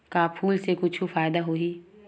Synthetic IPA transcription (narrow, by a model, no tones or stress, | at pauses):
kapʰuːlsekʊt͡ʃʰufaːjd̪aɦoːi